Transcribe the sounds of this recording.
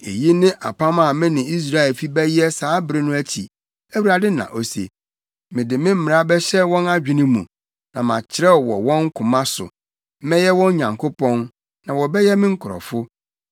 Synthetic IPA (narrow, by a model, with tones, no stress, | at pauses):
ḛ˨ji˦nɪ̃˦ʔa̰˨pʰã˦ma˨mɪ̃˦nɪ̃˨i˦s̬ɾa˦ɛ˨lfi˦bɛ˦jɛ˦saː˨˦bɪ˨ɾɪ˦nʊ̃˦æ˦t͡ɕʰḭ˨ | æ˦wu˦a˨dɪ˦nã̰˨ʔo˦sḛ˨ | mɪ̃˨dɪ˨mɪ̃˦m̩˦mɪ̃˨a˦bɛ˦ɕɛ˦wɔ̃˦na˦d͡ʑᶣɪ̃˨nɪ̃˦mṵ̃˨ | nã˨mã˨t͡ɕʰɪ˨ɾɛ˦˨wɔ̰˨wɔ̃˦ŋ˦kʰʊ̃˨mã˦sʊ̰˨˦ | mɪ̃˦jɛ˦wɔ̃˦n˦ɲã˨ŋkʰo˦pʰɔ̃˦n | nã˨wɔ˨bɛ˦jɛ˦mɪ̃˦ŋ̩˦kʰʊ˨ɾɔ̰˨fʊ˦